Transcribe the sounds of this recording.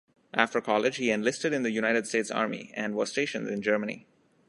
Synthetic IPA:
ʔæfʈəɾkʰɔlɪd͡ʒhiːɛ̃nlɪsʈɪɾɪ̃nd̪əjuñaɪɾɨɖsteːʈsa̰ːɹmḭæ̃nʋɔzsteːʃə̃ndɪ̃nd͡ʒəɾmənḭ

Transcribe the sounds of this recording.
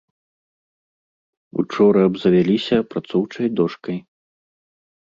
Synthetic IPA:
ṵt͡ʂɔɾɐːbzɐvʲalʲisʲɐpɾat̪sɔwt͡ʂɐjd̪ɔʂkɐj

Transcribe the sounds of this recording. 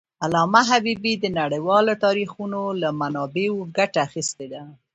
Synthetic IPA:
alɑmaɦabibid̪ənaɽəjwɑlot̪ɑɾixunolamanɑbewoɡaʈaːxist̪ed̪a

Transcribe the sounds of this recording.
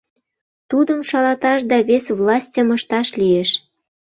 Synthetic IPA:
t̪ud̪ə̆mʃɑlɑt̪ɑʃd̪ɑβʲesvlɑsʲtʲəməʃt̪ɑʃlieʃ

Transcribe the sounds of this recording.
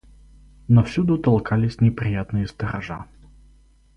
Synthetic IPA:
nɐfsʲud̪ʊt̪ɐlˠkʰalʲɪsʲnʲɪpɾʲɪjat̪nɨjəst̪əɾɐ̰ʐa̰

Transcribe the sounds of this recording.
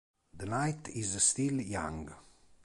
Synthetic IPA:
d̪najt̪izst̪ilja̰ŋɡ

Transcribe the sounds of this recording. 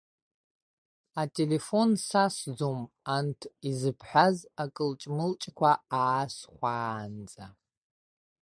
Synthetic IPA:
atʼele̞fo̞nsasd͡zom | antʰizɨpʰħʷazakʼɨlt͡ʃʼmɨlt͡ʃʼkʷʰaaasχʷaːnd͡za

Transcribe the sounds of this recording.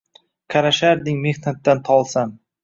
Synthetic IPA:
kʰaɾaʃaɾd̪ɪŋme̞hnat̪ːant̪ʰɒlˠsam

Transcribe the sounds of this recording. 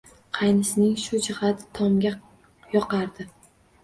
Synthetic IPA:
qʰɑjnɪsnɪŋʃʊd͡ʒɪhat̪ʰːɒmɡʲa | jɒqɑɾd̪ɪ

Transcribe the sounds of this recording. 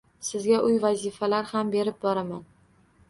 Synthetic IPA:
sɪzɡʲaʔʊjvazifalaɾhambe̞ɾɪp̚bɒɾaman

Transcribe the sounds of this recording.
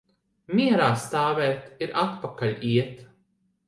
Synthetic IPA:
miːɾɐːst̪ɐːwɛɾt̪ɪɾʔɐːt̪bɐkːɐlʔiːt̪

